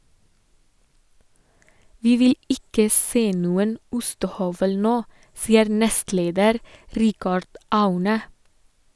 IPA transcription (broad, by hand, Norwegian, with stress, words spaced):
ˈʋiː ˈʋɪl ˈɪkə ˈseː ˈnuːən ˈʊstəˌhœʋəl ˈnoː ˈsiːəɾ ˈnɛstˌleːdəɾ ˈɾɪkɑɖ ˈɑʉnə